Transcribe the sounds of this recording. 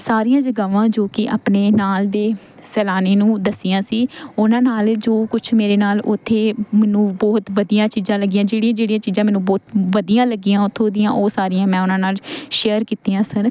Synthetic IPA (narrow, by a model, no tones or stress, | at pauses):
saːɾijãːd͡ʒəɡaːʋãːd͡ʒoːkɪʔa̰ːpneːnaːld̪eː | sɛːlaːneːnũːd̪əsːijãːsiːʊnãːnaːld͡ʒoːkʊt͡ʃʰmeːɾeːnaːlʔʊt̪ʰːeːmɛːnũːbɔːt̪ʋəd̪ijãːt͡ʃiːzãːləɡijãːd͡ʒeːɽijãːd͡ʒeːɽijãːt͡ʃiːzãːmɛːnũːbɔːt̪ʋəd̪ijãːləɡijãːʊt̪ʰːõːd̪ɪjã̰ːʔoːsaːɾijãːmɛ̃ːʊnãːnaːlʃeːəɾkiːt̪iːãːsəɾ